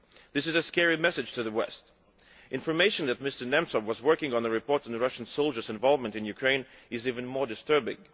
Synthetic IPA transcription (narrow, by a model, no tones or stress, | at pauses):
ðɪsɨzɨskɛɹimɛsɨd̥ʒ̥tʰɨðəwɛ̰st | ʔɪ̃nfə˞meɪʃɨ̃n̩ðɨt̚mɪstə˞nɛ̃msəwʌzwɜ˞kɪ̃ŋə̃nðɨɹɨpʰɔɹɾɨ̃nðəɹʌʃn̩soʊlˠd͡ʒə˞zɨ̃ɱvɑlˠvmə̃ntɨ̃njʉkʰɹ̥ẽɪ̃nɨzivɨ̃nmɔɹdɨstɜ˞bɪ̰̃ŋ